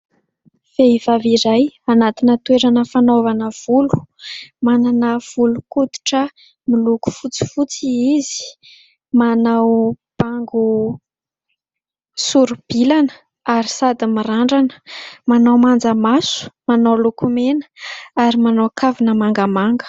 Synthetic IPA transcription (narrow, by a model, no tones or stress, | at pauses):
feiv̥aviɾajanat̪inət̪weɾanəfanovanəv̥ulu̥mananəv̥ulukut̪u̥ʈ͡ʂə | miluku̥fut͡si̥fut͡siizi̥ | manaw | b̥aŋɡu | suɾub̥ilanə̥ | aɾisad̪imiɾaɳɖ͡ʐanə̥manawmand͡zəmasu̥manawlukumenə̥aɾimanawkʰavinəmaŋɡəmaŋɡə̥